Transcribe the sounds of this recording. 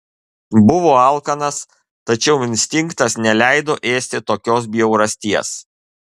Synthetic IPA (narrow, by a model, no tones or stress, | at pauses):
bʊʋoːɑˑlˠkɐnɐs | t̪ɐt͡ʃʲɛʊɪnʲsʲt̪ʲɪŋkt̪ɐsnʲɛlʲæɪd̪oːʔeːsʲt̪ʲɪt̪oːkʲoːs̬bʲɪɛʊɾɐsʲt̪ʲiɛs